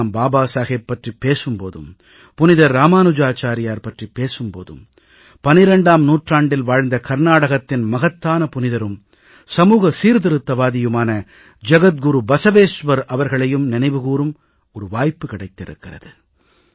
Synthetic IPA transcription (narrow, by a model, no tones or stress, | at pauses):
mbaːbaːsaːɣɐpːɐʈripːeːsɯmpo̰ːðɯ̰m | pʊnɪðɐɾːaːmaːnɯd͡ʒaːt͡ʃaːɾɪjaːɾpɐʈripːeːsɯmpo̰ːðɯ̰m | pɐnɪɾɐɳɖaːmnuːʈraːɳɖɪlʋaːɻnd̪ɐkɐɾnaːɽɐɣɐt̪ːɪnmɐɣɐt̪ːaːnɐpʊnɪðɐɾɯm | sɐmuːɣɐsiːɾðɪɾɯt̪ːɐʋaːðɪjɯmaːnɐ | d͡ʒɐɣɐt̪̚ɡʊɾubɐsɐʋeːʂʋɐɾʔɐʋɐɾɣɐɭɐjɯmnɪnɐɪʋɯɣuːrɯm | ɔɾɯʋaːjpːɯkɪɽɐɪt̪ːɪɾɯ̰kːɪrɐ̰ðɯ